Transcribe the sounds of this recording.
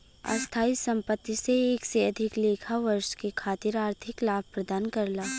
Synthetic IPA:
a̰st̪ʰaːisɐ̃mpət̪ːiseeːkseɐd̪ʱɪkleːkʰaʋɐɾʃkekʰaːt̪ɪɾaːɾt̪ʰɪklaːb̚ʱpɾɐd̪aːnkɐɾlaː

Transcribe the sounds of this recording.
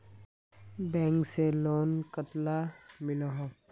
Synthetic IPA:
bɛ̃ːŋkseloːnkət̪lamɪloɦõ

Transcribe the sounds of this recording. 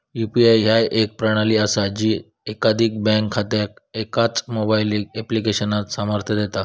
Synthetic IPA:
jupiajɦajʔek̚pɾaɽ̃aliːasad͡ʑiː | ekad̪ʱiːk̚bɛ̃ŋkʰːat̪ak̚ekat͡smobajliɡeplikeɕənat̪saməɾt̪ʰjəd̪et̪a

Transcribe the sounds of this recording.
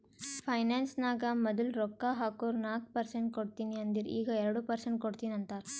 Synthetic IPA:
pʰɐjnaːnsnaːɡɐmɐd̪ɐlɾɔkːaːɦaːkoːɾnaːk̚pɐɾseɳʈ̚koɽt̪iːniɐnd̪iɾḭːɡɐɛɾɐɽupɐɾseɳʈ̚koɽt̪iːnɐnt̪aːɾ

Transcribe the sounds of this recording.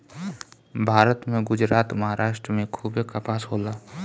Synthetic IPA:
bʱaːɾət̪mẽɡʊd͡ʒɾaːt̪məɦaːɾʔaːʃʈɾəmẽkʰuːbekapaːsɦoːlaː

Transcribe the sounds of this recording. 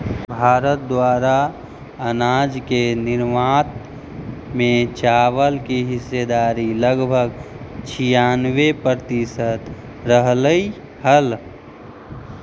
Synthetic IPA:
bʱaːɾət̪̚d̪waːɾa | ənaːd͡ʒkenɪɾmaːt̪ | mẽt͡ʃaːʋəlkiɦɪsed̪aːɾiləɡbʱəɡt͡ʃʰijaːnwepɾət̪ɪsət̪ | ɾəɦləi | həl

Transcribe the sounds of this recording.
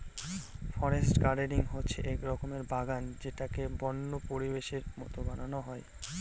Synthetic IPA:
fɔɾesʈkaɖeɖiŋɦotːɕʰeʔɛkɾɔkomeɾbaɡand͡ʑeʈakebɔnːopoɾibeʃeɾmɔ̰t̪obananoɦɔe

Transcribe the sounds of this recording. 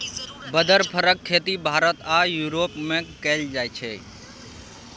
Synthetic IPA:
bəd̪ʱəɾpʰəɾəkʰːet̪ibʱaɾət̪ajuɾopmekɛld͡ʒajt͡ʃʰɛ̰

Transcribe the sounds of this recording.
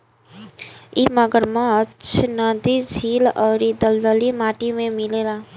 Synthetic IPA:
imʌɡəɾmãːt͡ʃʰnʌd̪id͡zʱilʌɾid̪ʌld̪əlimaʈimemilela

